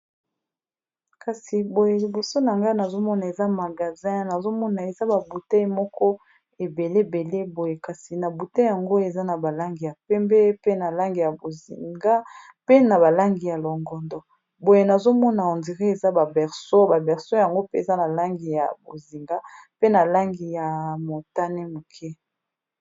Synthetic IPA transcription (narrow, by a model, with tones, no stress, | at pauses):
ka˨si˨bo˨je˨li˨bo˨so˦na˨ŋɡa˦na˨zo˦mɔ˦na˨e˨za˦ma˨ɡa˨zɛ̃˦na˨zo˦mɔ˦na˨e˨za˦ba˨bu˨ta˦i˦mɔ˦kɔ˦ | e˨be˨le˦˨be˨le˦bo˨je˨ka˨si˨na˨bu˨te˦ja˨ŋɡo˦e˨za˦na˨ba˨la˦ŋɡi˨ja˨pɛ˦mbɛ˦pe˦na˨la˦ŋɡi˨ja˨bo˨zi˨ŋɡa˦ | pe˦na˨βa˨la˦ŋɡi˨ja˨lɔ˨ŋɡɔ˨ndɔ˨ | bo˨je˨na˨zo˦mɔ˦na˨ɔ˨ndi˨ʁi˦e˨za˦ba˨bɛ˨ʁso˦ba˨bɛ˨ʁso˦ja˨ŋɡo˦pe˦e˨za˦na˨la˦ŋɡi˨ja̰˨bo˨zi˨ŋɡa˦pe˦na˨la˦ŋɡi˨ja˨mo˨ta˦nɛ˦mo˨kʰɛ˦